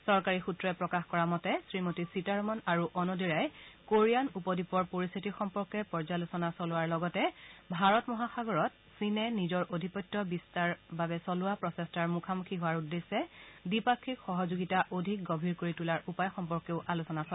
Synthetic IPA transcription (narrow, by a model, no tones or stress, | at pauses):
sɔɹkaɹixutɹɛpɹɔkaxkɔɹamɔtɛsɹimotisitaɹmɔnaɹuʔɔnɔdiɹajkoɹijanupɔdipɔɹpoɹist̪ʰitixɔmpɔɹkɛpɔɹzalusɔnasɔlʊwaɹlɔɡɔtɛbʱaɹɔtmɔɦaxaɡɔɹɔt | sinɛnizɔɹʔodʱipɔjtːɔbistaɹbabɛsɔlʊapɹɔsɛstaɹmukʰamukʰiɦʊwaɹudːesɛdipakʰːikxɔɦɔzoɡitaʔodʱik̚ɡɔbʱiɹkoɹitulaɹupajxɔmpɔɹkeʊʔalusɔnasɔ